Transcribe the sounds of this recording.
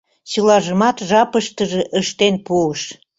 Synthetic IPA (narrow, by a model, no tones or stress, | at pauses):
t͡ɕəlɑʒəmɑt̪ʒɑpəʃt̪əʒeʔəʃt̪enpuəʃ